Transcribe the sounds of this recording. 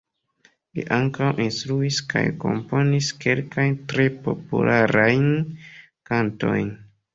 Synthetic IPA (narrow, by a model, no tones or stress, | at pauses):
lḭʔaŋkawʔinstɾuiska̰jko̞̰mpo̞niske̞lkajntɾe̞po̞̰pṵlaɾajn | kanto̞̰jn